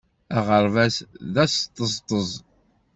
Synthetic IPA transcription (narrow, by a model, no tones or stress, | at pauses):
æʁəɾˤvæsðæst̪ˤːəst̪ˤəzˤ